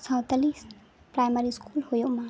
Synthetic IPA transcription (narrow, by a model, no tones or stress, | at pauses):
sãwt̪alis | pɾajmɐɾiskʰuːlhojomã